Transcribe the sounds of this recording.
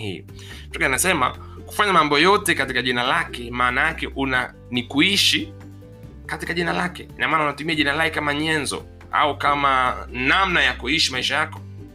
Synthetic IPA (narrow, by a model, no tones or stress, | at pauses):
hḭ | tɔkanasɛma̰ | ku̥faɲamambɔjɔtɛkatikaʄinalakɛmaːnajakɛʔuna | nikuiʃi | katikaʄinalakɛinamaːnaunatumiaʄinalakɛkamaɲɛnzɔ̰ | a̰ukamanamnajakuiʃimaiʃajakɔ